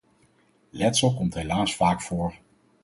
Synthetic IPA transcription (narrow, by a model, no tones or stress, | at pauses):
lɛtsəlˠkɔmtɦelaːsfaːkfʊːɹ